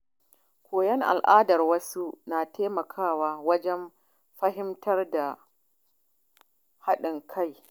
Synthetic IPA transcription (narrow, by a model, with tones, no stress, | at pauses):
kʷʰoː˨jɛ˦ŋʔa̰˨lʔaː˦dɐ˨rwɐ˦su˦naː˨tʰeː˦mɐ˨kʰaː˦˨waː˦wɐ˦d͡ʒɛ˦m | ɸɐ˦ɦɪ˦mtɐ˦rda˨ | ha˦ɗɪ˨ŋkʰa˦˨j